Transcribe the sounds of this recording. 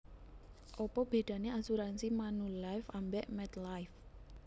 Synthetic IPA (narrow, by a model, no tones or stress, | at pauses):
ʔɔpɔb̥e̤ɖ̪̥ä̤neasuɾansimanulajfambɛʔmɛt̪lajf